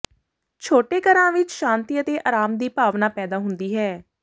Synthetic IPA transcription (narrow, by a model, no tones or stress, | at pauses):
t͡ʃʰoːʈeːkəɾãːʋɪt͡ʃʃãːnt̪iːət̪eːʔaːɾaːmd̪iːpaːʋnaːpɛːd̪aːɦʊnd̪iːɦɛː